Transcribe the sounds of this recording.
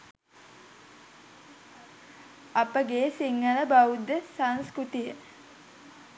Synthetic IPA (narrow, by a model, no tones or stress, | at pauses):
apəɡeːsiŋɡələbawud̪ːəsaŋskɾut̪ijə